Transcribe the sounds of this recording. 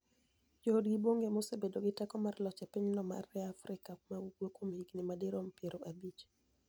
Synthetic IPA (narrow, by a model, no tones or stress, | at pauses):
d͡ʒodɡiboŋɡemosebedoɡɪtɛkɔmarlɔt͡ʃɛpɪɲnɔma̰rɛafɾʔɪkamauɡwokomhiɡnɪmadɪɾompeɾoʔabit͡ʃ